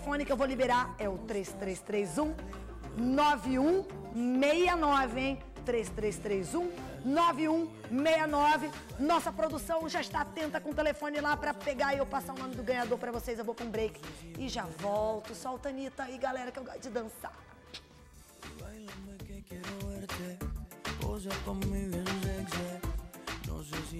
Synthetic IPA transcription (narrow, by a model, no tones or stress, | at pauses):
efõnɪkɪewvowlibeɾaɾɛʊt̪ɾest̪ɾest̪ɾezũ | nɔvɪũ | mejɐnɔvɪẽj̃ | t̪ɾest̪ɾest̪ɾejzũ | nɔvɪũ | mejɐnɔvɪ | nɔsɐpɾod̪usɐ̃w̃ʒaɪst̪at̪ẽnt̪ɐkõt̪elefõnɪlapɾɐpeɡaɪewpasaũɐ̃nʊd̪ʊɡɐ̃ɲad̪oɾpɾɐvosejzewvowpɾũbɾejkɪ̥ɪʒavɔwt̪ʊsɔʊt̪ɐ̃nit̪ɐiɡalɛɾɐkɪewɡɔsʊd͡ʒɪd̪ɐ̃sa̰ | va̰jlẽmɐkekɛɾoɛɾt̪ɛ | o̰zakõmʊmivẽnzɛkzɛ | nõ̰zez